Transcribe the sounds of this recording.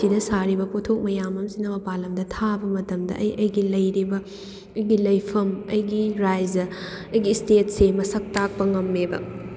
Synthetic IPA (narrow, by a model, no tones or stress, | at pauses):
idɐsaɾibɐpotʰok̚mɐjamɐmsinɐmɐpalɐmdɐtʰabɐmɐtɐmdɐ̰ʔɐjʔɐjɡilɐjɾibɐ | ɐjɡilɐjpʰɐmɐjɡiɾajzɐ | ɐjɡistetsemɐsɐk̚tak̚pɐŋɐmːebɐ̰